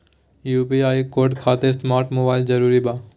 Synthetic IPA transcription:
juːpiaːikoːɾɖkʰaːt̪ɪɾsmaːɾʈmobaːɪlzɐɾuːɾibaː

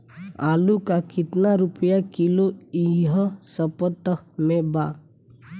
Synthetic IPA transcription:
aːlukakɪt̪naɾʊpjakɪloiɦəsəpət̪əmẽbaː

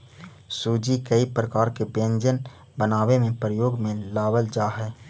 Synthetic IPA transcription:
suːd͡ʒikəipɾəkaːɾkebjə̃nd͡ʒən | bənaːwemẽpɾəjoːɡmẽlaːwəld͡ʒaːɦɛː

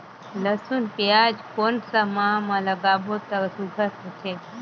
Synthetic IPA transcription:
ləsunpjad͡ʒkonsəmamãləɡaʋot̪əɾsuɡʱəɾt̪ət͡ʃʰe

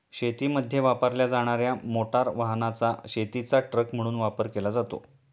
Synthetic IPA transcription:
ɕet̪iːməd̪ʱjeʋapəɾljad͡zaɽ̃aɾjamoʈaɾʋaɦnat͡saɕet̪it͡saʈɾəkm̤əɽ̃uːnʋapəɾkelad͡zat̪o̰

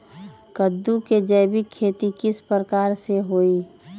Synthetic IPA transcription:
kəd̪ːuked͡ʒəjbɪkʰːeːt̪ikɪspəɾəkaːɾseɦoːiː

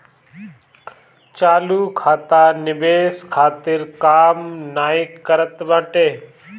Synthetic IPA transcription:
t͡ʃaːluːkʰaːt̪aːnɪbeːskʰaːt̪ɪɾkaːmnaːɪkːəɾət̪ʋãːʈeː

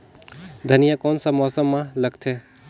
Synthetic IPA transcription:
d̪ʱɐnijakɔːnsamɔːsəmːãlɐɡt̪ʰɦɛː

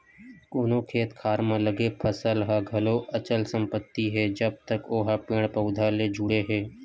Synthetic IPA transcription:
koːnokʰeːt̪kʰaːɾmẽləɡepʰəsəlɦaɡʱɐloɐt͡ʃəlsə̃mpət̪ːiɦɛd͡ʒəb̚t̪əkoːɦapɪːɽ̃pəʊd̪ʱaled͡ʒʊɽeɦɛː

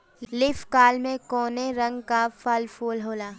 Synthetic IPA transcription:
lɪfkaːlmẽkɔːneɾɐ̃ŋɡkafaːlfʰoːlɦoːlaː

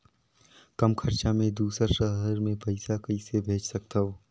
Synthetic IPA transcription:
kəmkʰəɾt͡ʃamẽd̪uːsəɾʃəɦəɾmẽpɐɪsakəɪsebʱeːt͡ʃsɐk̚t̪aɦoː

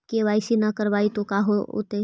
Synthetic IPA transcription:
keʋaːɪsinɐkəɾʋaːit̪okaːɦoo̰t̪e

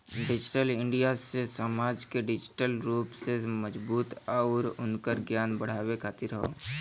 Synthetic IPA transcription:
ɖɪd͡ʒɪʈəlɪ̃ɳɖijasesəmaːd͡ʒkeɖɪd͡ʒɪʈəlɾuːpseməd͡ʒbuːt̪aʊɾʊnkəɾɡjaːnbəɽ̤aːwekʰaːt̪ɪɾəɦo̰ː

